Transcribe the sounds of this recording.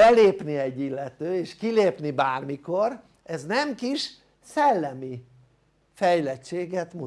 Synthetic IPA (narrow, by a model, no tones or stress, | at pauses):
ɛleːpniɛɟːilːɛt̪øːeːʃkileːpnibaːrmiko̞ɾ | ɛznɛmkiʃ | sɛlːɛmi | fɛjlɛt͡ʃːeːɡɛt̪mu